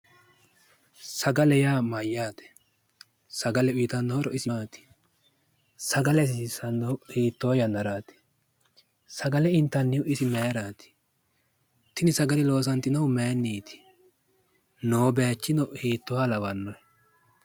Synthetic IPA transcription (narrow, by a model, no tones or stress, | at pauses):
sɐɡɐlɛjaːmɐjːaːt̪ɛ̥ | sɐɡɐlɛʊjɪt̪ɐnːɔhɔɾɔɪsɪaːt̪ɪ̥ | sɐɡɐlɛs̬iːsɐnːɔhiːt̪ːoːjɐnɐɾaːt̪ɪ̥ | sɐɡɐlɛɪnt̪ːɐnːɪʊʔɪsɪmeːɾaːt̪ɪ̥ | t̪ɪnɪsɐɡɐlɪlo̞ːs̬ɐnt̪ːɪnɐwʊmejnːiːt̪ɪ̥ | noːbɛjat͡ʃːɪnɔhiːt̪ːɔwaːlɐwɐnːɔɛ